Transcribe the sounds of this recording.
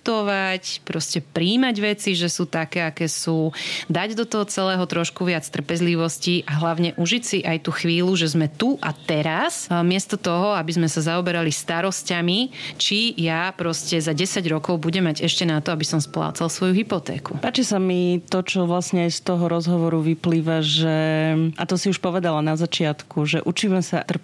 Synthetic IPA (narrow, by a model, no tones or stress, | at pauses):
t̪ɔʋacpɾɔscɛpɾiːmaɟʋɛt͡siʒɛsuːt̪akɛːakɛːsuːd̪aɟd̪ɔt̪ɔɦɔt͡sɛlɛːɦɔt̪ɾɔʃkuʋɪat͡st̪r̩pɛzliʋɔsciʔaɦlaʊɲɛʔuʒicsiʔajt̪uːxʋiːluʒɛzmɛt̪uʔat̪ɛɾasmɪɛst̪ɔt̪ɔɦɔabizmɛsazaɔbɛɾalist̪aɾɔscamit͡ʃijapɾɔscɛzaɟɛsaɟɾɔkɔʊbuɟɛmaɟɛʃcɛnat̪ɔabisɔmspla̰ːt͡salsʋɔjuɦipɔt̪ɛ̰ːkṵpaːt͡ʃisamit̪ɔt͡ʃɔʋlasɲɛajst̪ɔɦɔɾɔzɦɔʋɔɾuʋipliːʋaʒɛʔat̪ɔsiuʃpɔʋɛd̪alanazat͡ʃɪat̪kʰuʒɛʔut͡ʃiːmɛsat̪r̩